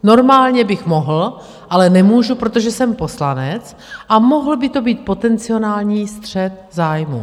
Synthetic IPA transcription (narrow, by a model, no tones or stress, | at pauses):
no̞ɾmaːlɲɛbɪxmo̞ɦl̩ | ʔalɛnɛmuːʒupɾot̪o̞ʒɛsɛmpo̞slanɛt͡s | ʔamo̞ɦl̩bɪt̪o̞biːt̪̚po̞t̪ɛnt͡sɪo̞naːlɲiːst̪r̝̥ɛt̪zaːjmṵ